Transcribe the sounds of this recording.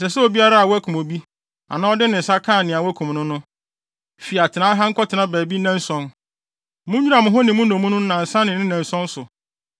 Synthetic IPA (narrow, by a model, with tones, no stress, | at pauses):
sɛ˨sɛ˦o˨bi˦a˦ɾa˦a˨wæ˦kʰũ˨mo˨bi˦ | a̰˨nã˦ɔ˦dɪ˦nɪ̃˨n̩˨sa˦kʰãː˦˨nɪ̃˨a˨wɔ˦æ˦kʰũ˨m˨nʊ̃˦nʊ̃˦ | fi˨a˨tʰɪ˨nã˦ɦã˦ŋ̩˦kʰɔ˦tʰɪ˨nã˦bæː˨bi˦nã˦n˦sɔ̃˦n | mʊ̃˦ɲᶣu˦a˨mʊ̃˨ɦɔ˦nɪ̃˨mʊ̃˦nõ˨mũ˦nʊ̃˦nã˨n̩˨sã˦nɪ̃˨nɪ̃˦nã˨n˨sɔ̃˦n˦sʊ˨